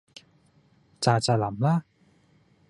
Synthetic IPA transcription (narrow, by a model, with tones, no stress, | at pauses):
t͡ɕa˨˧˩t͡ɕa˨˩la˩˦mla˥˨